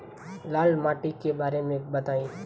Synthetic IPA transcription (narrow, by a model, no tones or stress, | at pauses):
laːlmaːʈikebaːɾemẽbət̪aːĩː